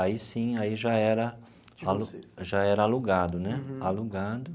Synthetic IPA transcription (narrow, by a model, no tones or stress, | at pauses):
aisĩaiʒaɛɾɐ | aluʒaɛɾɐaluɡad̪ʊnɛaluɡad̪ʊ